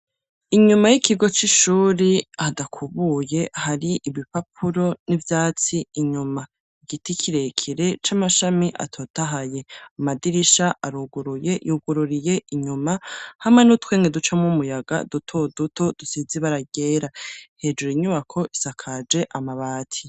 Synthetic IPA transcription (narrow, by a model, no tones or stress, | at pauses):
iɲumajikʰiɡo̞t͡ʃiʃuːɾiadakʰuβuje̞haɾiʔiβipap̚ʰuɾo̞nivjaːt͡siːɲuma | iɡ̥itikʰiɾekʰiɾe̞t͡ʃamaʃamiʔa̰tʰo̞ːtaɦaje̞amadiɾiʃaʔaɾuɡuɾujejuɡuɾuɾije̞ʔiɲumahamenutwe̞ːŋɡedut͡ʃamŋumujaɡa̰dutʰo̞duto̞d̥usiziβaɾaɡe̞ːɾahe̞ːd͡ʒuɾiɲuβakʰo̞ʔisakʰad͡ʒe̞ʔamaβaːtʰi̥